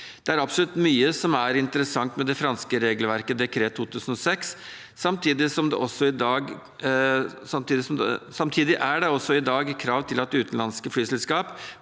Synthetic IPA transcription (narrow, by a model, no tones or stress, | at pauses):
d̪̥ɛæɾɑpsɔlʉt̪myːəsɔmæɾɪnt̪əɾəsɑŋt̪mɛd̪ɛfɾɑnskəɾeːɡlʋæɾkəd̪ɛkʰɾeːt̪ʰːuːt̪ʰʉːsən̩ɔsɛksː | ɑmt̪ʰiːd̪ɪsɔmd̪ɛ̰ʔɔsːɔɪd̪ɑːɡ | sɑmt̪iːd̪ɪsɔmd̪ɛ̰sɑmt̪ʰiːd̪ɪʔæɖɛɔsːɔɪd̪ɑːɡkʰɾɑːʋt̪ʰɪlɑt̪̚ːɛʉːt̪ən̩lɑnskəflyːsɛlskɑːp